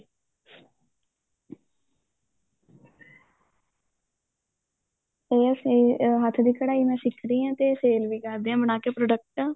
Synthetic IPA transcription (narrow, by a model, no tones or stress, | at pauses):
eːəsĩːɦət̪ʰd̪iːkəɽaːiːmɛ̃ːsɪkʰɾiːãːt̪eːseːlʋiːkəɾd̪eːãːbənaːkeːpɾoːɖək̚ʈãː